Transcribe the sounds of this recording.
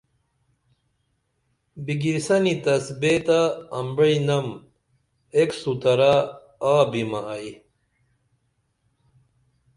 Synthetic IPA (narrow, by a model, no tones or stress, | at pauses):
biɡiɾsɐnit̪ɐsbet̪aːmbɐinɐm | eksut̪ɐɾa | aːbimɐːi